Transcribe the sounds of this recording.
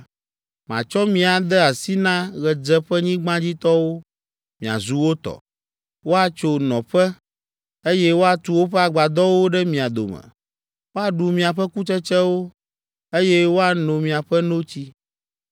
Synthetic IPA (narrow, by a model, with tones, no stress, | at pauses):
mã̰˨t͡ʃɔ˦mĩ˦a˨d̪ɛ˦a˨si˦nã˦ɣɛ˨d͡ʒɛ˦ɸɛ˦ɲĩ˦ɡ͡bã˦d͡ʑi˦t̪ɔ˦wo˦ | mĩ˨a̰˨zu˦wo˦t̪ɔ̰˨ | wo˦a˨t͡ʃo˨nɔ̃˨ɸɛ˦ | e˦jɛ˦wo˦a˨t̪u˨˦wo˦ɸɛ˦a˨ɡ͡ba˨d̪ɔ˦wo˦ɖɛ˦mĩ˨a˨d̪o̰˨mɛ̰̃˨ | wo˦a˨ɖu˨mĩ˨a˨ɸɛ˦ku˦t͡ʃɛ˦t͡ʃɛ˦wo˦ | e˦jɛ˦wo˦a˨nõ˨mĩ˨a˨ɸɛ˦no˦t͡ɕi˦